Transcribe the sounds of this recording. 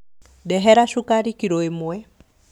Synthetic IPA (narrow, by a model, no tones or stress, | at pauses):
ɗɛɦɛɾaʃukaɾikiɾɔemuwɛ